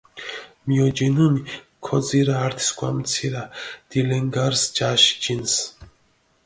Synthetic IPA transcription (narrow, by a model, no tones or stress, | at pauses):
mijɔd͡ʒinuni | kʰɔd͡ziɾaaɾt̪ʰi̥skʷʼwamt͡sʰiɾad̪̥ilɛŋɡaɾsd͡ʒaʃd͡ʒins